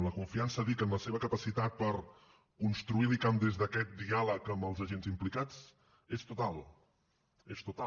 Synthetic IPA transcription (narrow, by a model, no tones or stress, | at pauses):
mləkuɱfiansəðikəmləseβəkəpəsit̪at̪̚pəɾ | kunst̪ɾuilikamd̪ezðəkɛt̪̚d̪ialəkəmbəlˠzəʒenzimplikat͡s | est̪ut̪alˠ | est̪ut̪a